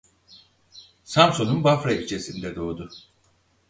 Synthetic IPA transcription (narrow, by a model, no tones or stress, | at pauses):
samso̞nunbafɾait͡ʃʰe̞sind̪ɛd̪o̞ːd̪ʊ